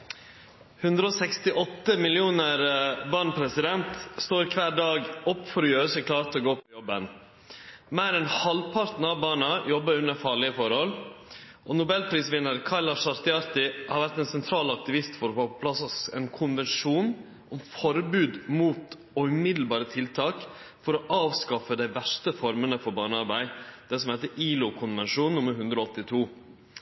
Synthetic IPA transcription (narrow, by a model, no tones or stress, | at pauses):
hʉnd̪ɾəɔːsɛkst̪ɪʔɔt̪ːəmɪlɪuːnəɾbɑːɳpʰɾɛsɪd̪ɛnt̪st̪oːɾkʰʋæːɖɑːɡɔpːfɔɾɔjøːɾəsɔkʰlɑːɾt̪ɔɡoːpʰɔjɔbːən | mæːɾɛnhɑlpʰɑɾt̪n̩ɑʋbɑːɳəjɔbːəɾʉnəfɑːɭɪəfɔɾhɔl | ʔɔːnʊbɛlpʰɾiːsʋɪnːəɾkʰɑɾlɑʂɑɾt̪ɪɑɾt̪ɪhɑɾʋæɾt̪ɛnsɛnt̪ʰɾɑːlɑk̚t̪ɪʋɪst̪fɔɾɔfoːpɔpʰlɑsɔsɛːnkʰʊnʋɛnʂuːn | ʔɔmfɔɾbʉːd̪muːt̪ | ɔʉmɪd̪l̩bɑːɾət̪ʰɪlt̪ʰɑːkfɔɾɔʔɑːʋskɑfəd̪æɪʋæʂʈəfɔɾmənəfɔɾbɑːɳəɑɾbæɪd̪̥ɛs̬ɔmhɛɪt̪əʔiːlʊkʰʊnʋɛnʂuːnnʊmːəɾhʉnd̪ɾɔɔt̪ːɪt̪ʰuː